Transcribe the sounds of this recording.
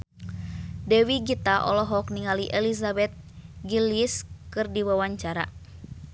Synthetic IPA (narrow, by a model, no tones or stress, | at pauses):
dɛwiɡit̪aʔɔ̰lɔɦɔk̚niŋaliʔɛlisabɛt̪̚ | ɡiliskɨrdiwawaɲt͡ʃaɾa̰